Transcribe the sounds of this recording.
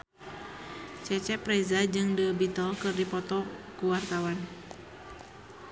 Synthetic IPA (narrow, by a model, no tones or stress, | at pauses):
t͡ʃɛt͡ʃɛpɾɛzad͡ʒɨŋdəbit̪ɔlkɨrdipɔt̪ɔkuwart̪awan